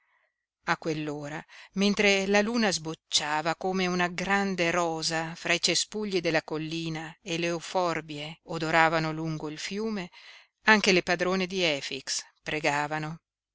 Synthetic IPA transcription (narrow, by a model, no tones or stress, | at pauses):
akːwelːoːɾament̪ɾelaluːnazbot͡ʃːaːvakoːmeunaɡɾand̪eɾɔːzafɾait͡ʃespuʎːid̪elːakolːiːnaeleufɔrbjeod̪oɾaːvanoluŋɡoilfjuːme | aŋk̟elepad̪ɾoːned̪iɛːfikspɾeɡaːvano